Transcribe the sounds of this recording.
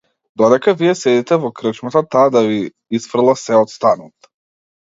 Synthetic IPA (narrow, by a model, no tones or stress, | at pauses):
d̪ɔd̪ɛkavijɛsɛd̪it̪ɛvɔkɾət͡ʃmat̪at̪aːd̪avi | isfrd̪lˠasɛɔt̪st̪anɔt̪